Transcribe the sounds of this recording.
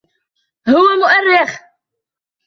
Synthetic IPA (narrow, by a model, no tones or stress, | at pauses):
hʊwamʊʔarːɪx